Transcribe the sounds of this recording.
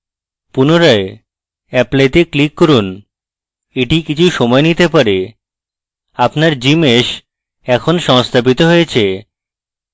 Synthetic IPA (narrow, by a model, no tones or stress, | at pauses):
punoɾae | ɛplejʈeklikːɔɾun | eʈikit͡ɕʰuʃɔmɔenit̪epaɾe | apnaɾd͡ʑimeʃ | ɛkʰonʃɔŋst̪ʰabit̪oɦojet͡ɕʰe